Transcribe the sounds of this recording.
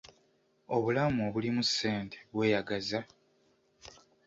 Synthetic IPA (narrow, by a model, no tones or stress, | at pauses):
o̞βulamuoβulimusːe̞ːntʰe̥βwe̞ːjaɡaza